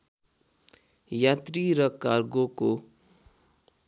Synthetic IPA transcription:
jat̪riɾʌkarɡoko

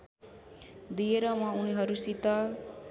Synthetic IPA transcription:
d̪ieɾʌmauniɦʌɾusit̪ʌ

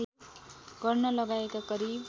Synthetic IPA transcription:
ɡ̥ʌrnʌlʌɡaekakʌɾi

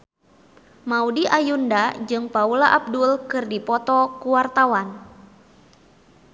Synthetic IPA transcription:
maudiʔajundad͡ʒɨŋpaulaʔab̚dulkɨrdipɔt̪ɔkuwart̪awan

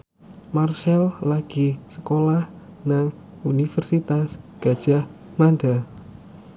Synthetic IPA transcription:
marsɛllaɡ̥isə̥kolahnaŋ | unifərsit̪asɡ̥a̤d̥ʒ̥ahmanɖa

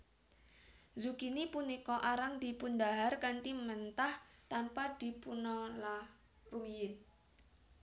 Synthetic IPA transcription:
zukinipunikɔʔaɾaŋd̪̥i̤pund̪aɦarkant̪imənt̪aht̪ampad̪̥i̤punɔla | rumiɪn

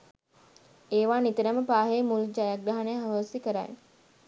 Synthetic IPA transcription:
eːʋaːnit̪əɾəməpaːɦejmuld͡ʒajak̚ɾaɦanejɦaʋəsikəɾa̰j

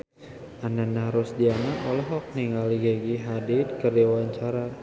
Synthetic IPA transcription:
ananaɾʊsdianaʔɔlɔɦɔk̚niŋɡaliɡaɡiɦadid̪̚kəriwaɲt͡ʃaɾa

